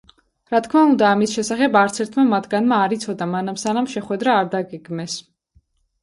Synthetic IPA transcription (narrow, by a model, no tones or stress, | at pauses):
ɾat̪̚ʰkʰmaund̪aːmisʃɛsaχɛbaɾt̪sʰɛɾt̪ʰmamat̪ʰɡanmaːɾit̪sʰɔd̪amanamsanamʃɛχwɛd̪ɾaːɾd̪aɡɛɡmɛs